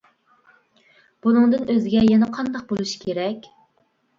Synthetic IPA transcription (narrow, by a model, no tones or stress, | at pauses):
b̥unɨŋd̪ɨnøzɪɡʲɛjɛnɛqʰɑnd̪ɑq̚bolˠuʃi̥kʲʰeɾɛkʲ